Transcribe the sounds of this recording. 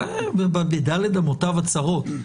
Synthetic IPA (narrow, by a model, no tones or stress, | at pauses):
bbbedaled̪amotavat͡saʁot̪